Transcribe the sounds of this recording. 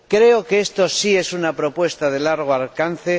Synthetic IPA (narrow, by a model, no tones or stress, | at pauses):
kɾe̞okeest̪o̞sie̞sunapɾo̞pwe̞st̪aðe̞laɾɣ̞oalkan̟θe